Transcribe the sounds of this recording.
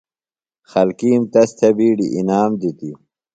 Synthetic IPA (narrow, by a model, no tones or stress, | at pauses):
xɐlkiːmt̪ɐst̪ʰɐbiːɖiʔinaːmd̪it̪i